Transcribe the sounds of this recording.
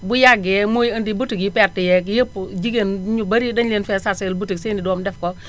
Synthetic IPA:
bujaɡɛmojəndibutikjipɛɾtijɛkjəpːd͡ʒiɡenɲubaɾidɐnlenfɛːsaselbutiksenidɔmdɛfkɔ

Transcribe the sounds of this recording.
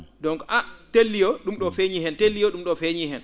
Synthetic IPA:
dɔŋkʔatelːijɔɗumɗɔfeɲiɦɛntelːijɔɗumɗɔfeɲihɛn

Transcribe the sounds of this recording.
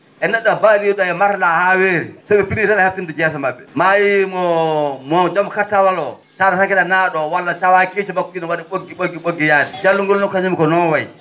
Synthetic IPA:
ʔɛnɛɗːɔbaɾiuɗɔjɛmatalahaweɾḭsabɛpinitanahaf̚tindɔd͡ʒɛs̬amabːɛmajimɔmɔd͡ʒamkatːawalɔ | saɾatakɛlanaɗɔwalːatawaket͡ʃimakːuɗinɔwaɗiɓoɡiɓolɡiɓoɡijadɛd͡ʒalːuŋɡɔlnɔkaɲamikɔnɔnwaj

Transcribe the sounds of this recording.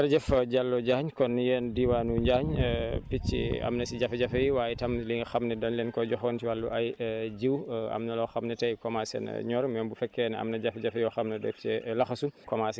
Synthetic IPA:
ɐɾd͡ʒɛfɐɟalːɔɟaːɲkɔnjɛːndiwaːnuɲɟaːɲpit͡ʃːḭɐ̰mnɐsiɟɐfɟɐfɐjiwaːjɛtɐmliŋɡxɐmnɛdɐnlɛnkɔɟɔxɔːntiwɐlːuʔɐjd͡ʒiwɐ̰mnɐlɔxɐmnɛtɐjkɔmasɛ̰n̰ɲɔɾmɛmbufɛkːɛnɐ̰mnɐɟɐfɟɐfɐjɔxɐmnɐdɛ̰ft͡ʃɛlɐxɐsunkɔmas

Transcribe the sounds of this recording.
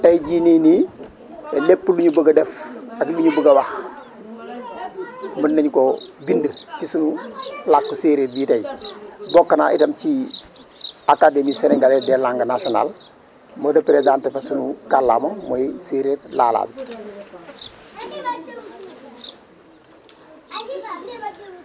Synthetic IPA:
tajɟiːnini | elepːəluɲubəɡɐdefakluɲubuɡawah | mənːeɲkobindət͡ʃisunulakːuseːɾeːbiːtajibokːanaʔitɐmt͡ʃi | akademiːseneŋɡaledelaŋɡɐnasiona̰ːl | modɐpːiɾedaːntefasunukalːa̰ːmomoiseɾetla̰ːla̰ːb

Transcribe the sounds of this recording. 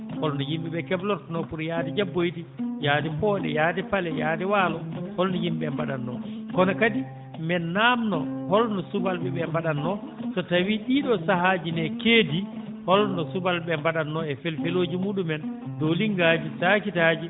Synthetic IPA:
hɔlnɔjimɓɛɓɛkɛblɔɾnɔpuɾjaːdid͡ʒabːojtijaːdipɔːɗɛ̰jadɛpalɛjaːdɛwaːlɔhɔlnɔjimɓɛmbaɗanːɔ̰kɔnakadi | mɛnːaːmnɔhɔlnɔsubalɓɛɓɛmbaɗanːɔ | sɔtawiɗiɗɔsaɦad͡ʒinɛkeːdi | hɔlnɔsubalɓɛmbaɗanːɔɛfelfeloːd͡ʒimuːɗumɛndɔliŋɡaːd͡ʒisakitaːd͡ʒi

